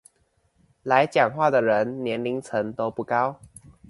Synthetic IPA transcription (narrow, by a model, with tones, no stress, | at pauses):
la˨˦ɪt͡ɕjɑ˨˩ŋxwa˥˩d̪ə˩ɻə˨˧˦nnjɛ˧˦nli˧˥ŋt͡sʰə˨˧˦ŋt̪o˥ʊpu˥˩ka˦ʊ